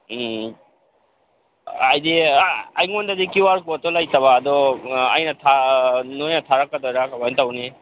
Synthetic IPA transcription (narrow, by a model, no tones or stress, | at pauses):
ajdiaajŋondadikiwaɾkutɔlajtaβaːdɔa̰jnɐtʰanojnɐtʰaɾakːadɔjɾakamajntawni